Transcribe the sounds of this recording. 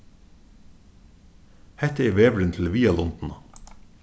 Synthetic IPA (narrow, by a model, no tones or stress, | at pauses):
hɛt̪əɛɾʋeːʋɾɪnt̪ʰɪl̩ʋiːɑlɔnt̪n̩ɑ